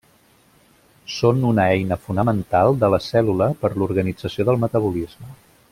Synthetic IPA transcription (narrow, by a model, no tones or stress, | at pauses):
sonunəɛjnəfunəmənt̪alˠd̪ələsɛluləpəɾluɾɣənid͡zəsioðəlˠmət̪əβ̞ulizmə